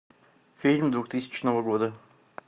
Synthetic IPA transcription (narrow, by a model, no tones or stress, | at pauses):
fʲilʲmd̪vuxt̪ɨsʲɪ̥t͡ɕnəvəɡod̪ə